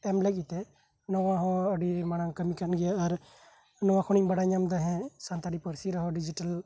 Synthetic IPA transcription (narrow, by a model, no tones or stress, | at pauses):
ɛmlɛk̬̚ʼˀit̪ɛ | nɔwãɦɔ̃əɖimanakəmikanɡɛjaːɾ | nɔwãkʰɔɽ̃ibəɽaɲamd̪ɔɦɛ̃sant̪aɖipɔɾsiɾɔɦɔɖid͡ʒiʈəl